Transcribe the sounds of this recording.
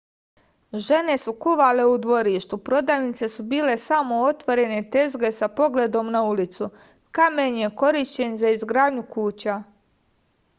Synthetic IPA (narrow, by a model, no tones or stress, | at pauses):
ʒe̞ne̞sukuʋale̞ud̪ʋo̞ɾiːʃt̪upɾo̞d̪aːjnit̪se̞subiːle̞samo̞o̞t̪ʋo̞ɾe̞ne̞t̪e̞zɡe̞sapo̞ɡle̞d̪o̞mnaulit̪su | kamenje̞ko̞ɾiʃt͡ɕe̞nzaizɡɾaːd̪ɲukuːt͡ɕa